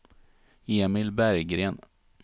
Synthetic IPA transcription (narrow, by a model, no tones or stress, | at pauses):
eːmɪlbæɾjɡɾeːn